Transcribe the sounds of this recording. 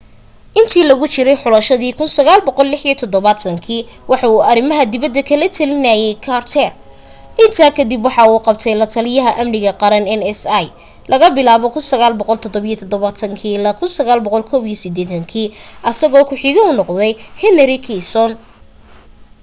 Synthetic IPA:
ʔɪnt̪ʰiːlɐɣʊt͡ʃɪɾɛjħʊlɐʃɐðiːkʰʊnsɐɣaːlbɔqɔlːɪħijɔt̪ʰɔd̪ɔβat̪ʰɐŋkʰiːwɑħɑuːɐɾɪmɐɦɐd̪ɪβɐd̪ːɐkʰɐlɐt̪ʰɐlɪnɐjɛjkʰaːrt̪ʰɛr | ʔɪnt̪ʰaːkʰɐd̪ibwɑħɑuːqɑb̚t̪ʰɛjlɐt̪ʰɐlɪjɐɦɐʔɐmnɪɣɐqɑɾɐnɛnɛsɐj | lʔɐɣɐbɪlaːβɔkʰʊnsɐɣaːlbɔqɔlt̪ʰɔd̪ɔβijɔt̪ʰɔd̪ɔβat̪ʰɐŋkʰiːlakʰʊnsɐɣaːlbɔqɔlkʰɔːβijɔsɪd̪ɛːt̪ʰɐŋkʰiːʔɐsɐɣɔːkʰʊħɪɣɐʊnɔqðɛjhɛnɛɾɪkʰisɔn

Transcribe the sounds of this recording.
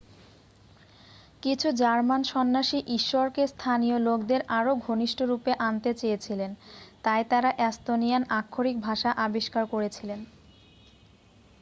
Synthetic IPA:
kit͡ɕʰud͡ʑaɾmanʃɔnːaʃiʔiʃːɔɾkest̪ʰanijolokd̪eɾʔaɾoɡʱoniʃʈoɾupeʔant̪et͡ɕejet͡ɕʰilent̪ajt̪aɾaʔɛst̪onijanakʰːoɾik̚bʱaʃaʔabiʃkaɾkoɾet͡ɕʰilen

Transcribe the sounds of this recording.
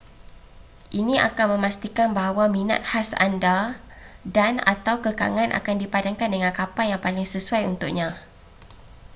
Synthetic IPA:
ʔinĩʔa̰kanmə̃mast̪ikanbaɦawamĩnã̰t̪̚hasa̰nda | dana̰t̪awkəka̰ŋãnʔa̰kandipadaŋkandəŋãnkapajaŋpalɪŋsəsuajunt̪ʊk̚ɲã

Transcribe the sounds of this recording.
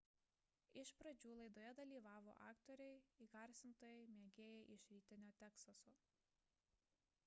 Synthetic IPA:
ɪʃpɾɐd͡ʒʲuːlˠɐɪd̪oːjɛd̪ɐlʲiːʋɑːʋo̰ʔɑ̰ːkt̪ɔɾʲɛɪiːɡɐˑɾʲsʲɪnt̪oːjɛɪmʲeːɡʲeːjɛʔɪʃʲɾʲiːt̪ʲɪnʲoːt̪ʲɛksɐsʊ

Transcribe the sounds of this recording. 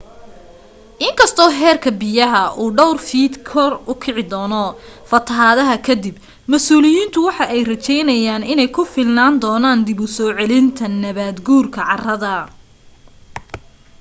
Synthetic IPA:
ʔɪŋkʰɐst̪ʰɔːɦɛːrkʰɐbɪjɐɦɐʔuːɖɔwrfiːd̪kʰɔrʊkʰɪʕɪd̪ɔːnɔ | fɐt̪ʰɐɦaːðɐɦɐkʰɐd̪ɪb | mɐsuːlɪjiːnt̪ʰʊwɑħɑʔɛjrɐt͡ʃɛjnɐjaːnɪnɛjkʰʊfɪlnaːnd̪ɔːnaːnd̪ɪβʊsɔːʕɛlɪnt̪ʰɐnɐβaːd̪ɡuːrkʰɐʕɑrɐðɐ

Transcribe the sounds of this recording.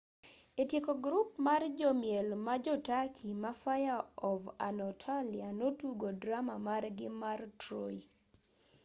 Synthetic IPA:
etjekoɡɾup̚mard͡ʒɔmjelmad͡ʒɔtakʰimafajaɔva̰nɔtʰalianotuɡodɾamamarɡɪmartɾoi

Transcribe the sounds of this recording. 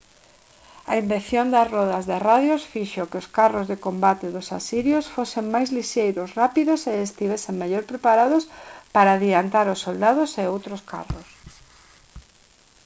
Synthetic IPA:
ɐimbeθjond̪ɐsrɔðɐzðɪraðjosfiʃokɪʊskarozðɪkombat̪eðʊsasiɾjosfoseŋmajzliʃejɾosrapiðʊseest̪iβɛseŋmeʎoɾpɾepaɾaðʊspaɾaːðiant̪aɾʊsːold̪að̞ʊseowt̪ɾoska̰ros

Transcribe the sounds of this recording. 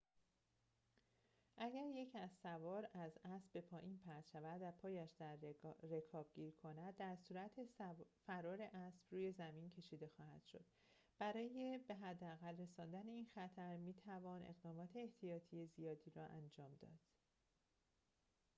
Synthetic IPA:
ʔæɟæɾje̞cʰæzsævɒːɾæzæsbbe̞pʰɒːʔiːnpʰæɾt̪ʃævæd̪æpʰɒːjæʃd̪æɾːekʰɒːb̥̚ɟiːɾkʰo̞næd̪̚ːæɾsuːɾæt̪ʰefæɾɒːɾe̞ʔæsb̥ruːje̞zæmincʰe̞ʃiːd̪e̞xɒːhæ̰d̪̥ʃo̞d̪̥ | b̥æɾɒːje̞be̞ɦæd̪ːeæɣælre̞sɒːnd̪æne̞iːnxæt̪ʰæɾmiːt̪ʰævɒːnʔe̞̰ɣd̪ɒːmɒːt̪ʰe̞ːht̪ʰijɒːt̪ʰije̞zijɒːd̪iːɾɒːʔænd͡ʒɒːmd̪ɒ̰ːd̪̥

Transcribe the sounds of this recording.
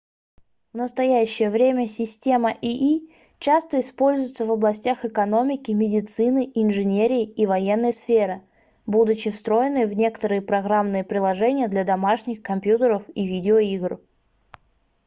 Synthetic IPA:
vnəst̪ɐjæɕːɪjəvɾʲemʲəsʲɪsʲtʲe̞məʔiʔi | t͡ɕast̪əɪspo̞lʲzʊjɪt̪səvəblˠɐsʲtʲaxɨkɐno̞mʲɪkʲɪmʲɪdʲɪt̪sɨnɨʔɪnʐɨnʲeɾʲɪːivɐjenːəjəsfʲeɾɨ | bud̪ʊt͡ɕɪfst̪ɾo̞jɪnɨjəvnʲe̞kə̥t̪əɾɨjəpɾɐɡɾamnɨjəpɾʲɪlˠɐʐɛnʲɪjəd̪lʲɐd̪ɐmaʂnʲɪxkɐmpʲjut̪əɾəfivʲidʲɪoiɡr

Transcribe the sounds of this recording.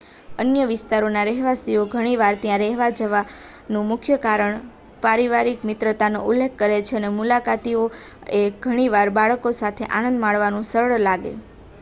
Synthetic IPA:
ənjəʋɪst̪aɾonaɾɛɦʋasioɡʱəɽ̃iʋaɾt̪jãɾɛɦʋad͡ʒəʋa | nũmʊkʰjəkaɾəɳ | paɾiʋaɾikmɪt̪ɾət̪anoʔulːekʰːəɾet͡ʃʰeənemulakat̪io | eɡʱəɽ̃iʋaɾbaɭəkosat̪ʰeʔanə̃nd̪maɭʋanũsəɾɭlaɡḛ

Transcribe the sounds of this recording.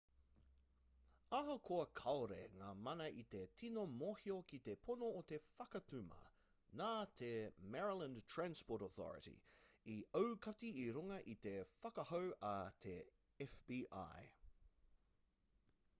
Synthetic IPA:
ɐɦokʰoɐkʰɐwɾḛŋaːmɐnɐʔit̪e̞tʰinomohiokit̪epʰonoːt̪efɐkɐt̪ʉmɐ̰ | naːt̪ʰemɛɹilə̃ntʰɹanspoːtoθɔ̰ɹə̰tḭiəwkɐtiːɾuŋɐʔit̪e̞fɐkɐhowɐt̪ʰe | ɛfbiːʔa̰j

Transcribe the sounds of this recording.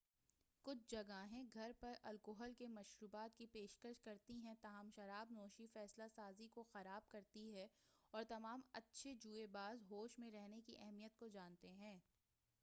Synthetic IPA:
kʊt͡ʃʰd͡ʒɐɡaɦɛ̃ɡʱɐɾpɐɾʔɐ̰lkoɦəlkemɐʃɾuːbaːt̪kipeːʃkəʃkɐɾt̪iɦɛ̃t̪aːɦəmʃɐɾaːbnɔːʃifɛːslasaːzikoxɐɾaːb̚kɐɾt̪iɦɛɔːɾt̪ɐmaːmɐ̰tːʃʰed͡ʒuːebaːzɦoːʃmẽɾɛɦnekiʔɛɦmijət̪̚kod͡ʒaːnt̪eɦɛ̃ː

